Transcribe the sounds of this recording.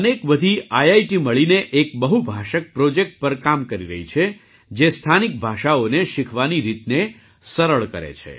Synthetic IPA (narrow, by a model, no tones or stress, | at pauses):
ənekbəd̪ʱiajajʈiməɭineʔekbəɦubʱaʃək̚pɾod͡ʒek̚ʈ̚pəɾkamkəɾiɾə̰ɦit͡ʃʰe | d͡ʒest̪ʰanik̚bʱaʃaoneʃɪkʰʋaniɾit̪ne | səɾəɭkəɾḛt͡ʃʰḛ